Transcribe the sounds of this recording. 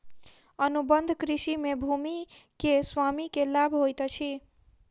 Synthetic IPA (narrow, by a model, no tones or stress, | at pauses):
ənubənd̪ʱkɾisimebʱumikeswamikelabʱɦojt̪t͡ʃʰi